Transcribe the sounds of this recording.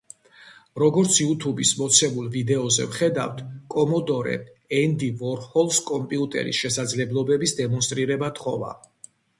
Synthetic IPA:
ɾɔɡɔɾt̪sʰiut̪ʰubismɔt̪sʰɛmulˠvid̪ɛɔzɛ̰vχɛd̪a̰ft̪ʰkʼɔmɔd̪ɔɾɛ̰ | ɛnd̪ivɔɾhɔlˠskʼɔmpʼiut̪ʼɛ̰ɾḭsʃɛsad̪zlɛblˠɔbɛbisd̪ɛmɔns̬t̪ʼɾiɾɛbat̪ʰχɔ̰va̰

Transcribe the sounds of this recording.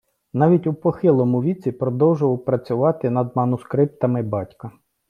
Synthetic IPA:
nɑʋʲitʲupɔxɪlˠɔmʊʋʲit͡sʲipɾɔd̪ɔwʒʊʋɐwpɾɐt͡sʲʊʋɑt̪ɪnɐd̪̚mɐnʊskɾɪp̚t̪ɐmɪbɑtʲkɐ

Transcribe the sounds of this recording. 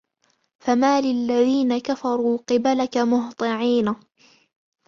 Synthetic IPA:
famaːlɪlːaðiːnakafɑɾˤuːqɨbalakamʊht̪ˤɨʕiːna

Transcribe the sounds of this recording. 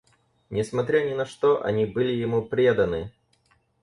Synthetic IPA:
nʲɪsmɐt̪ɾʲanʲɪnɐʂt̪oʔɐ̰nʲibɨlʲɪjɪmupɾʲed̪ənɨ

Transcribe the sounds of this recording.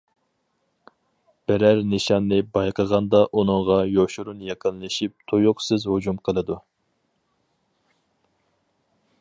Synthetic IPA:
b̥ɛɾæɾnɨʃɑnːɨbɑjqʰəʁɑnd̪ɑʔunɨŋʁɑjoʃuɾunjɛqʰənlˠɨʃip̚t̪ʰojʊqsɨzhud͡ʒumqʰəlˠɨd̪u

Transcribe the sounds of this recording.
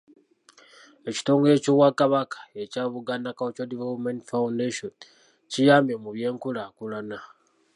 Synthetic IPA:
e̞ci̥to̞ːŋɡeecowakaβakḁecaːβuɡanakaocodivelopmentfaundeʃon | cijaːmemuβje̞ːŋkulakulana

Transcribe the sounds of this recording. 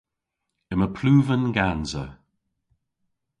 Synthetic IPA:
əməpʰluːvənɡanzə̰

